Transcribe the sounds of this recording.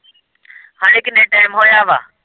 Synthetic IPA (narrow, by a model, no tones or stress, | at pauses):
hãːɪkɗẽʈaːɪmɦoːjaːʋa̰ː